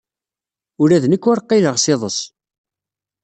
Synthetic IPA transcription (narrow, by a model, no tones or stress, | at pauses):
ʊɾæðnəkːʊɾqːeləʁsɪðˤəs